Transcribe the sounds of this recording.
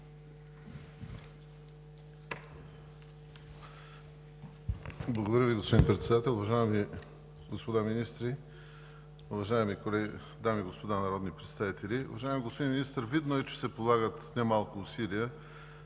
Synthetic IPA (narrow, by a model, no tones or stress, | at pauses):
blˠəɡod̪ɐɾʲjəviɡospod̪inpɾɛt̪sɛd̪at̪ɛlˠʊvɐʒaɛmi | ɡospod̪aminist̪ɾi | ʊvɐʒaɛmikolɛɡi | d̪amiɡospod̪anɐɾɔd̪nipɾɛt̪st̪avit̪ɛlʲiʊ̰vɐʒaɛmiɡospod̪ʲinminist̪ɾvid̪noɛt͡ʃɛ̥sɛpolˠaɡət̪nɛmalˠkʊːsiliɛ